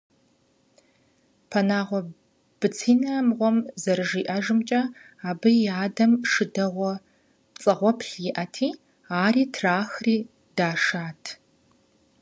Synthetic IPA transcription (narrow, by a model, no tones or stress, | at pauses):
pʰɐnaːʁʷɔ | b̥ɨt͡sʰiːnɐmʁʷɔmzɐrɨʒiːʔɐʒɨmt͡ʃʼɐ | aːbɨjaːdɐmʂɨdɐʁʷɔ | t͡sʼɨʁʷɔpʰɬjɪʔɐtʰiː | aːriːtʰraːxriː | d̥aːʂaːtʰ